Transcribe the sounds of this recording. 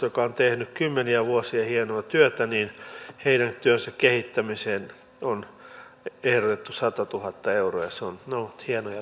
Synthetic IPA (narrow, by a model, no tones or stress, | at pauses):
jokɑont̪ehnykkymːeniæʋuosiɑhienoɑt̪yøt̪æniːnheidæŋt̪yønsækkehit̪ːæmiseːn | on | ehrot̪et̪ːusɑt̪ɑt̪uhɑt̪ːɑeuro̰ːjɑseonnouut̪hienojɑ